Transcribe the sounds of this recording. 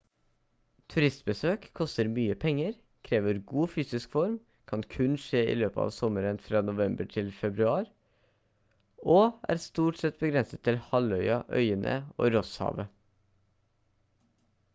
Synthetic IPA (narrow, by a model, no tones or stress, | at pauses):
t̪ʰʉɾɪst̪̚bəsøːkkʰːɔst̪əɾmyːəpʰɛŋːəɾ | kʰɾeːʋəɾɡuːfyːsɪskfɔɾm | kʰɑnkʰʉnʂeːḭːløːpəɑ̰ːʋsɔməɾənfɾɑːnʊʋɛmbəʈʰɪlfɛbɾʉɑːɾ | ʔoːʔæ̰ːɾst̪uːʈsɛt̪̚bəɡɾɛnsət̪ʰːɪlhɑlœʏɑʔœ̰ʏənʔə̰o̰ːɾɔshɑ̰ːʋə